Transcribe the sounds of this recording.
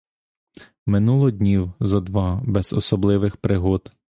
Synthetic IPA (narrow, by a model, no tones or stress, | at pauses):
mɪnulˠɔdʲnʲiwzɐd̪ʋɑbɛz̥ɔ̰sɔblˠɪʋɪxpɾɪɦɔd̪